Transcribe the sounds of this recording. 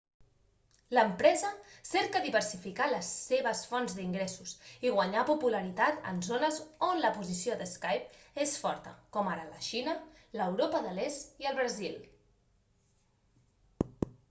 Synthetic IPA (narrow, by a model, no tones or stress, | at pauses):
ləmpɾɛzəsɛɾkəðiβəɾsifikaləseβ̞əsfɔnzðiŋɡɾɛsusiɣwəɲapupuləɾit̪at̪ə̰nzonəzonləpuzisiod̪əskajp̚esfɔɾt̪ə̰kɔmaɾələ̰ʃinə | ləwɾopəðəlest̪iəlˠβɾəzil